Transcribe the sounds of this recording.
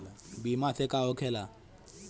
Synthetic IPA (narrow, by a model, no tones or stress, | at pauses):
abimaθɛkʼaɔkʰɛla